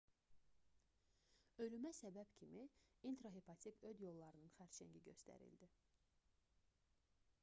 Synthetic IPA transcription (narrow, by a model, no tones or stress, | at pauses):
ø̞lymæsæbæb̥cʰimiint̪ɾoɦepʰɑt̪ʰʲikød̪jo̞lˠːɑɾɯnɯnxæɾt͡ʃæ̰ɲɟiɟø̞st̪æ̰ɾḭld̪i